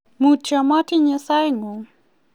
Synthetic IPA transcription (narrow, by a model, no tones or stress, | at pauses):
mut͡ʃamatiɲɛsajŋɔ